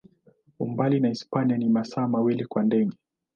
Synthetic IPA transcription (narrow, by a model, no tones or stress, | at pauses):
umbalinaispanianimasaːmawilikwandɛɠɛ